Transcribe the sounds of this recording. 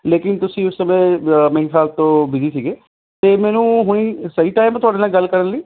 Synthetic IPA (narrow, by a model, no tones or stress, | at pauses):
leːkɪnt̪ʊsĩːʊsːəmẽːmẽĩsaːlt̪õːbɪziːsiːɡeː | t̪eːmɛːnũːɦʊɽ̃iːsəiːʈaːɪmɛ̃t̪ʊaːɖeːnaːlɡəlkəɾənləiː